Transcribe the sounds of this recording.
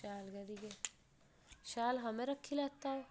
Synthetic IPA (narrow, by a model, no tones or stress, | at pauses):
aːlɡɐɾiɡe | ʃaːlɦɐmẽɾɐkʰːilaːt̪ao